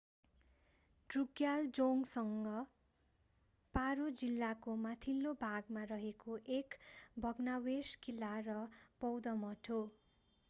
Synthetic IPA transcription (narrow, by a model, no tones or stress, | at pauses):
ɖruɡjald͡zoŋɡsʌŋɡʌ | paɾod͡zilːakomat̪ʰilːobʱaɡmarʌɦekoʔekbʱʌɡnaweskilːarʌpʌwd̪ʌmʌʈʰo